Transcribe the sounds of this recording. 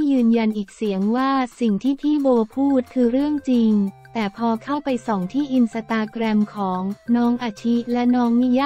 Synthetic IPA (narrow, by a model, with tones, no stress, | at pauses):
jɯː˧nja˧nʔiː˨˩k̚si˩˦əŋwaː˥˩si˨˩ŋt̪ʰiː˥˩pʰiː˥˩boː˧pʰuː˥˩t̪̚kʰɯː˧ɾɯ˥˩əŋt͡ɕi˧ŋt̪ɛː˨˩pʰɔː˧kʰa˥˩wpa˧jsɔː˩˦ŋt̪ʰiː˥˩ʔi˧nsa˧t̪aː˧kɾɛ˧mkʰɔː˩˦ŋnɔː˦˥ŋʔa˧˩t͡ɕʰi˦˥lɛ˦˥nɔː˦˥ŋmiː˦˥˩jaː˥˩